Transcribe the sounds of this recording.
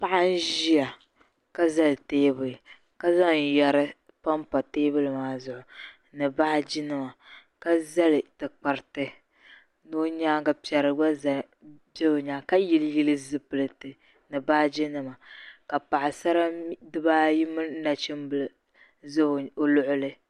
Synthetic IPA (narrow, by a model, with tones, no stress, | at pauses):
pa˦ʔa˦n̩˦ʒi˦a˨ | ka˦za˦lteː˦bɨ˨lɨ˨ | ka˦za˦ŋ˨jɛ˨ɾɨ˦ | pa˦mpa˨teː˦bɨ˦lɨ˨maː˨˦zʊ˨ʔʊ˨ | nɨ˨ba˦hɪ˦d͡ʒi˦nɨ˦ma˨ | ka˦za˦lɨ˨tɨ˨k͡pa˨ɾɨ˨tɨ˦ | no˦ɲaː˦ɡa˨pi˨ɛ˨ɾɨ˨ɡ͡ba˦za˨ | be˦o˨ɲaː˦ka˦ji˨lɨ˦ji˦lɨ˦zɨ˦pɨ˨lɨ˨tɨ˨ | nɨ˨ba˦hd͡ʒi˦nɨ˨ma˨ka˨pa˨ʔɪ˨sa˦ɾa˦dɨ˦baː˦ji˦mɨ˦na˨t͡ʃɨ˦mbɨ˨l | zɨ˦˨o˨lʊ˦ʔʊ˦lɨ˦